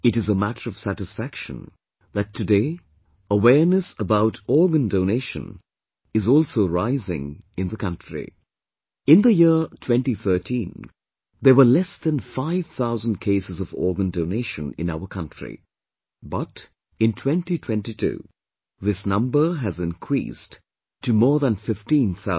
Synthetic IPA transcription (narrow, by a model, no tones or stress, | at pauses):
ɨɾɨzəmæɾə˞ʌv̥sæɾɨsfækʃə̰̃n | ðɨtʰːɨdeɪ | əwɛɹnɨsəbaʊtʰɔɹɡə̃ndoʊneɪʃə̰̃n | ɨzɔlˠsoʊɹaɪzɪ̰̃ŋɨ̃nðəkʰʌ̃ntɹ̥ḭ | ɪ̃nðəjɪɹtʰw̥ɛ̃ntiθɜ˞tʰĩn | ðə˞wə˞lɛsðɨ̃nfaɪv̥θaʊzə̃nd̚kʰeɪsɨzʌvɔ̰ːɹɡə̃ndoʊneɪʃə̃nɪ̰̃naʊə˞kʰʌ̃ntɹ̥ḭ | bʌɾ | ɨ̃ntʰw̥ɛ̃ntitʰw̥ɛ̃ntitʰṵ | ðɪsnʌ̃mbə˞ɦɨzɪ̃nkʰɹ̥ḭs | tʰːɨmɔːðə̃nfɪftĩnθa